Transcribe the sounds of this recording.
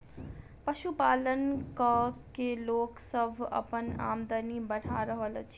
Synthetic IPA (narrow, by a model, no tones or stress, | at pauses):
pəʃupaːlənkəkeloːksəbʱə̰pəna̰ːmd̪ənibəɽ̤aɾəɦəlt͡ʃʰ